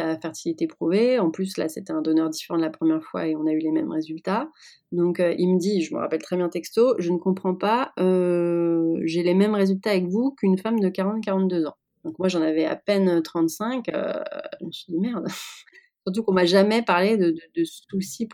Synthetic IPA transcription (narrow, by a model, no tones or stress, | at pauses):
afɛʁt̪ilit̪epχuveɑ̃plysla̰set̪ɛɛ̃d̪ɔnœʁd̪ifeʁɑ̃d̪əlapχəmjɛʁfwa̰eɔ̃naylemɛmʁezylt̪a | d̪ɔ̃køʔilməd̪iʒəmə̰ʁa̰pɛlt̪χɛbjɛ̃t̪ɛkst̪oʒənəkɔ̃pχɑ̃paø | ʒelemɛmʁezylt̪aːvɛkvukynfamd̪əkaʁɑ̃t̪kaʁɑ̃t̪d̪øzɑ̃ | d̪̥ɔ̃kmwaʒɑ̃navɛa̰pɛnøt̪χɑ̃t̪sɛ̃kø̰ʒəməsɥid̪imɛʁd̪syʁt̪ukɔ̃maʒamɛpaʁled̪əd̪əd̪əssulsip